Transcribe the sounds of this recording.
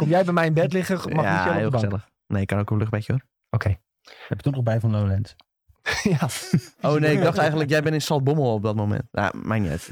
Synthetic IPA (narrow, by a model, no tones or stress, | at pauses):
komjɛjbɛmɛjɪnbɛtlɪɣəma̰sɛeːlˠbssɛlˠəx | nejkɔnowkəløxbɛkjəo | okʰej | hɛpɪ̥k̚tunɔxbɛjvɔnlolɛnt | jaoːnejɪkɡdɔxtɛjɣəndləkjɛjbɪnɪnsɔlˠt̚bomˠɔp̚dɔtmomɛ̰ntja̰majnɛ̰t